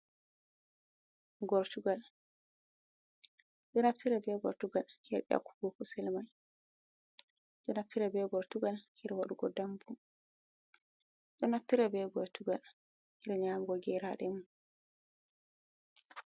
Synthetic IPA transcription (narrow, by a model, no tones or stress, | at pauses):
ɡɔɾtuɡal | ɗɔnaftiɾɛbɛɡɔ̰ɾtuɡalhɛɾɗɛa̰ku̥ɡokusɛlmaj | ɗɔnaftiɾɛbɛɡɔɾtuɡalhiɾɛwaɗuɡɔ̰dambum | ɗɔnaftiɾɛbɛɡɔɾtuɡal | hiɾɛɲaːmɡɔɡɛɾaɗɛmun